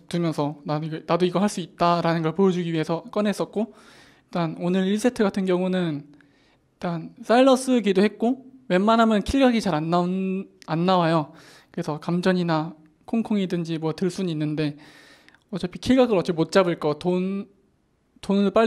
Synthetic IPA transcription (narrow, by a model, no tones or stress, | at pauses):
tɯmjʌnsʰʌnanadoiɡʌɦaɭs͈uit̚t͈aɾanɯnɡʌɭpojʌd͡ʑuɡiɥiɦe̞sʰʌk͈ʌne̞s͈ʌt̚k͈o | iɭt͈anonɯɭːisʰetʰɯɡatʰɯnɡjʌŋunɯn | it͈ans͈ʰaiɭːʌs͈ɯɡidohe̞t̚k͈owe̞nmanɦamjʌnkʰiɭɡaɡit͡ɕaɾanːaanːawajo | kɯɾe̞sʰʌkamd͡ʑʌɲina | kʰoŋkʰoŋidɯnd͡ʑimwʌtɯɭs͈unɯinːɯnde̞ | ʌt͡ɕ͈ʌpʰi̥kʰiɭɡaɡɯɾʌt̚t͡ɕ͈emot̚t͡ɕ͈abɯɭk͈ʌton | tonɯɭp͈a